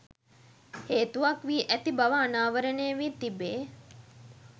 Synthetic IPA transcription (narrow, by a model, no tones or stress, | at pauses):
heːt̪uʋakʋiːʔæt̪ibaʋəːnaːʋəɾənejəʋiːt̪ibeː